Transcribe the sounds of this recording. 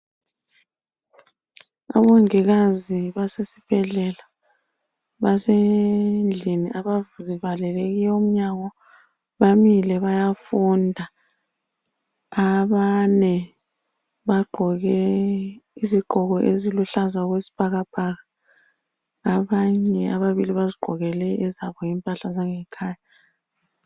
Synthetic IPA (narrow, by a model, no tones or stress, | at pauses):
a̰βoŋiɣaziβasesi̥b̥ʱɛɮɛla | βasend͡ɮʱiniʔaβazivalɛleɣijɛum̩ɲaɣɔ | βamilɛβajafundʱa | βanɛ | βaɡ͡ǃʱɔɣɛ | iziɡ͡ǃʱɔɣɔʔeziluɬazaɣwesi̥b̥ʱaɣab̥ʱaɣa | βaɲɛaβaβiliβaziɡ͡ǃʱɔɣɛlɛɛzaβɔjimpʼaɬazaŋɛkʰaːja